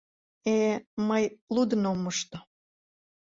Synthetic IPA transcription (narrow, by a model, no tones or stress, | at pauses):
eməjlud̪ənomːəʃt̪o